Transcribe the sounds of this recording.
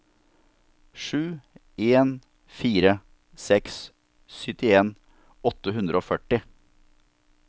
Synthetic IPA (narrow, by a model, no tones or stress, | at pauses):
ʂʉː | eːn | fiːɾə | sɛks | sʏt̪ɪeːn | ɔt̪əɦʉnd̪ɾəoːfœʈɪ